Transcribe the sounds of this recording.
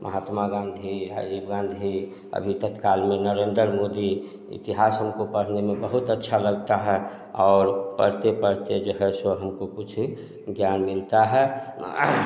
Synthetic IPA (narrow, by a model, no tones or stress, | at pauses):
mʔə̰ɦaːt̪maɡãnd̪ʱiɾa̰ɾibɡãnd̪ʱi | ə̰bʱit̪ət̪kalmenəɾeːnd̪əɾmod̪i | ḭt̪iɦasɦəmkopəɽ̤nemẽbəɦut̪ətːʃʰaləɡt̪aɦɛ | ɔːɾpə̰ɽ̤t̪epəɽ̤t̪ed͡ʒoɦɛsoɦəmkokut͡ʃʰ | ɡjanmilt̪aɦɛ